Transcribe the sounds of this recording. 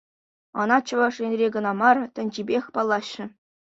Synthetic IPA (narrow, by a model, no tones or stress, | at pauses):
ɤnɑt͡ɕɤ̆ʋɑʂrʲenʲrʲeɡɤ̆nɑmɑrt̪ʲɘ̆nʲd͡ʑibʲexʲpɑlˠːɑɕːɘ̆